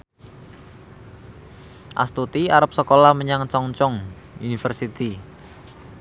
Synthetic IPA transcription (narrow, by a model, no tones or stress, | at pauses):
ʔa̰st̪ut̪iaɾəp̚səkolahməɲaŋt͡ʃɔŋt͡ʃɔŋ | unifərsit̪i